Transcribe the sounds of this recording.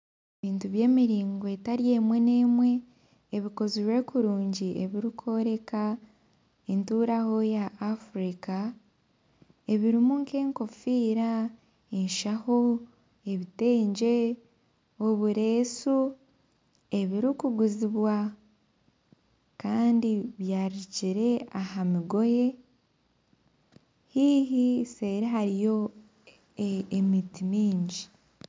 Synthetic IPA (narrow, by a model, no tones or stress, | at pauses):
eβiːntuβje̞ːmiɾiːŋɡoe̞taɾje̞ːmwe̞ne̞ːmwe̞ː | βiko̞ziɾwe̞ːkuɾuːɲɟiḛβiɾikʰo̞ɾe̞ka | entuːɾaho̞jaʔːfuɾika | e̞βiɾimuŋke̞ːŋko̞fiːɾa | eɲʃaho̞ | e̞βite̞ːɲɟe̞ | oβuɾe̞ːsu | e̞βiɾikuɡuziβwa | kaːndiβjaːɾiciɾe̞ahamiɡo̞je̞ | hiɦise̞ɾeɦaɾijo̞ | emitimiːɲɟi